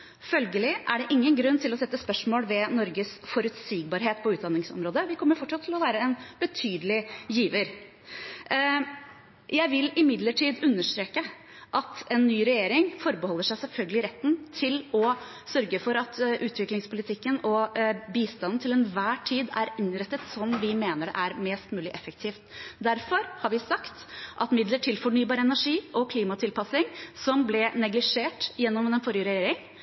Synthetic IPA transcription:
fœlɡəlɪʔæɖɛʔɪŋːənɡɾʉnːt̪ʰɪlɔsɛt̪ːəspœʂmoːlʋɛnɔɾɡəsfɔɾʉt̪siːɡ̚bɑɾɦeːt̪pʰɔʉːt̪̚d̪ɑnːɪŋsɔ̰mɾoːd̪əʋɪkʰɔmːəɾfɔʈːʂɑt̪ʰːɪlɔʋæːɾəɛnbət̪ʰyːd̪əlɪjiːʋəɾ | jæɪʋɪlɪmɪd̪ləʈʰiːd̪ʉnːəʂt̪ɾeːkə | ʔɑt̪ɛnːyːɾɛjeːɾɪŋfɔɾbəhɔlːəʂæɪsɛlfœlɡəlɪɾɛt̪ːn̩t̪ʰɪlɔ | sœɾɡəfɔɾɑt̪ʰʔʉːt̪ʰʋɪklɪŋspʊlɪt̪ʰɪkːənɔbiːst̪ɑnn̩t̪ʰɪlɛnʋæːʈʰiːd̪æ̰ɾɪnɾɛt̪ːət̪sɔmʋɪmeːnəɖɛ̰ʔæɾmɛːst̪mʉːlɪʔɛfək̚t̪ʰiːft̪d̪æɾfɔɾhɑɾʋɪsɑkt̪ʔɑt̪mɪd̪ləʈʰɪlfɔɳyːbɑːɾəɛnæʂiːʔɔkʰliːmɑt̪ʰɪlpʰɑsɪŋsɔmblɛnɛɡlɪʂeːʈjɛnːɔmɛnfɔɾjəɾɛjeːɾɪŋ

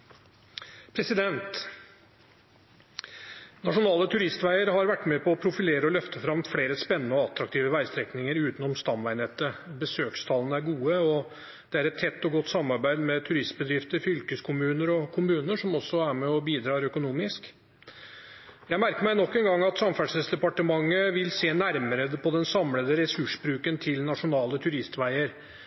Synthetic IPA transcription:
pʰɾɛsɪd̪ɛnt̪ | nɑʂʊnɑːlət̪ʰʉɾɪst̪ʋæɪəɾɦɑɾʋæʈːmɛpʰɔɔpʰɾʊfɪleːɾəɔlœft̪əfɾɑmfɽeːɾəspɛnːənəɔɑt̪ɾɑkt̪ʰiːʋəʋæɪst̪ɾɛknɪŋəɾʉːt̪nɔmst̪ɑmʋæɪneːt̪əbəsøːkst̪ʰɑːlənəæɾɡuːəɔ | d̪̥ɛæɾɛt̪ʰːɛt̪ːɔɡɔt̪ːsɑmːɑɾbæɪd̪mɛt̪ʰʉɾɪst̪bəd̪ɾɪft̪əɾfʏlkəskʰʊmʉːnəɾɔkʰʊmʉːnəʂɔmɔsːɔæɾmɛɔbiːd̪ɾɑːɾœkʊnuːmɪsk | jæɪmæɾkəɾmæɪnɔkːɛnɡɑŋːɑt̪sɑmfæɖʂəsd̪ɛpɑʈəmɑŋːəʋɪlseːnæɾməɾəpʰɔd̪ɛnsɑmləd̪əɾɛsʉʂbɾʉːkənt̪ʰɪlnɑʂʊnɑːlət̪ʰʉɾɪst̪ʋæɪəɾ

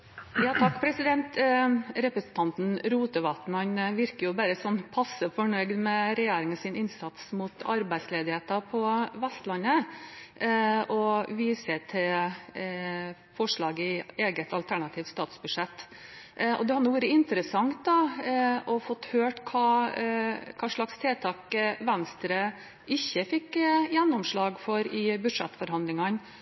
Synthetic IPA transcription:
jɑːt̪ʰɑkːpʰɾɛsɪd̪ɛnt̪ɾɛpɾəsn̩t̪ʰɑnt̪n̩ɾuːt̪əʋɑt̪n̩hɑnʋɪɾkəjʊbæɾəsɔnːpʰɑsːəfɔɳœʏɡd̪mɛɾɛjeːɾɪŋɔsɪnɪnsɑt̪smʊt̪ɑɾbæɪd̪sleːd̪ɪheːt̪ɑpʰɔʋæst̪lɑnːə | ɔʋiːsət̪ʰɪl | fɔʂɭɑːɡəɪeːɡət̪ʰɑlt̪ʰæɳɑt̪ʰiːʋ̪st̪ɑːt̪sbʉdʂɛt̪ː | ʔɔ̰d̪ɛhɑɾnuːʋæːɾəɪnt̪əɾəsɑŋt̪̚d̪ɑ | ɔfɔt̪ːhøːʈkʰɑː | kʰɑːʂɭɑkst̪ʰeːt̪ʰɑːkʋænst̪ɾə | ɪçːəfɪkjɛnːɔmʂɭɑːɡfɔɾɪbʉ̥ʂɛt̪ːfɔɾɦɑnd̪lɪŋɑn

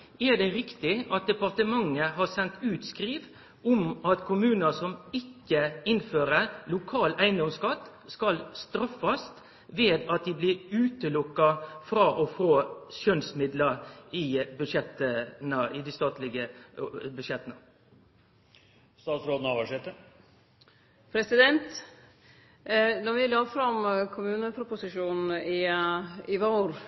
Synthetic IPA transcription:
ɛd̪ɛɾɪkt̪ɪʔɑt̪̚d̪ɛpɑɾt̪əmɑŋːəɦɑsɛnt̪ʉːt̪skɾiːʋ | ɔmɑt̪kʰʊmʉːnəsɔmɪkːəɪnføːɾəlʊkʰɑːlæɪnd̪ɔmskɑt̪ː | skɑlst̪ɾɑfːɑst̪ | ʋeːd̪ɑt̪̚d̪ɪblɪɾʉːt̪əlʊkːɑfɾɑːʔɔfoːʃœnsmɪd̪ləɾɪbʉʃɛt̪ənəɪd̪ɪst̪ɑːt̪lɪɡəbʉdʃjɛt̪ːənə | st̪ɑːt̪sɾoːd̪n̩ɑʋæʂɛt̪ːə | pʰɾɛsɪd̪ɛnt̪ | nɔʋɪlɑːfɾɑmkʰʊmʉːnəpʰɾʊpʊsɪʂuːnn̩ɪ | ɪʋoːɾ

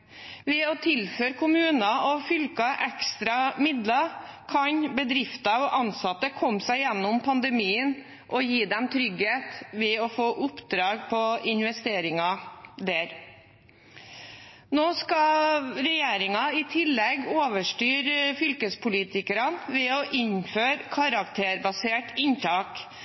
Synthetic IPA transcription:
ʋɛɔt̪ʰɪlføːɾkʰʊmʉːnɑɔfʏlkɑʔɛkst̪ɾɑmɪd̪lɑkʰɑɲbəd̪ɾɪft̪ɑɔʔɑnsɑt̪ːəkʰɔmsæɪjɛnːʊmpʰɑnd̪əmiːən | ʔɔjiːd̪ɛmt̪ʰɾʏɡheːt̪ʋɛɔfoːʔʊpd̪ɾɑːɡpʰɔɪnʋɛst̪eːɾɪŋɑd̪æːɾ | noːskɑɾɛjeːɾɪŋɑɪt̪ʰɪlːɛɡoːʋəʂʈyːɾfʏlkəspʰʊliːt̪ɪkəɾɑnʋɛɔʔɪnføːɾkʰɑɾɑk̚t̪ʰeːɾbɑseːʈɪnt̪ʰɑːk

